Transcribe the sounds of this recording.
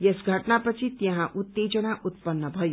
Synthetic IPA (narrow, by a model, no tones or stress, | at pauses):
jesɡʱəʈnapət͡sʰit̪jʌ̃ɦãʔut̪ːed͡ʒənaʔut̪pənːəbʱʌju